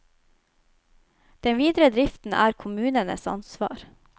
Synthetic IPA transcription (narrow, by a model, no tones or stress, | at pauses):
d̪̥ɛnʋiːd̪ɾəd̪ɾɪft̪n̩ʔæ̰ːɾkʰʊmʉːnənə̰sɑ̰nsʋɑ̰ːɾ